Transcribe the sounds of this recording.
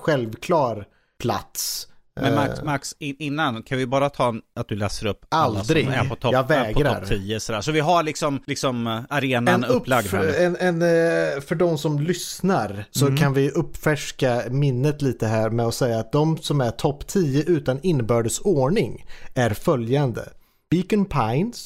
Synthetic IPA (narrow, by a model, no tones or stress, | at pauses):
ɧɛlvkʰlɑːɾ | pʰla̰t̪sɛmamaksɪɪnːankʰanvɪjbɑːɾat̪ʰɑːnat̪̚d̪ɵlɛːsəɾɵpːalːd̪ɾɪɡæ̰pʰɔt̪ʰjɑːɡvɛːɡʰɔɾaɾt̪ʰiːəsɔd̪æ̰ːʂɔvɪɦaɾlɪksɔmlɪksɔmaɾeːnaɛnpːlaɡ̪ɛnɛnfœɖɔmsɔmlʏsnaɾsɔkʰanvɪʔɵpːfæʂkamɪnːət̪liːt̪əɦæːɾmɛɔsɛjːaːt̪̚d̪ɔmsɔmæʈ̪ʰɔpːt̪ʰiːəʔʉ̟ːt̪anɪnːəbœːɖəsoːɳɪŋæɾfœljand̪ə̰ | b̥ikənpʰaɪns